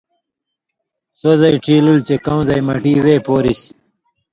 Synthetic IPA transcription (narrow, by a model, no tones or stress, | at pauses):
sozɐjʈ͡ʂʰiːlult͡ɕekɐwzɐjmɐʈiːweːpoːɾis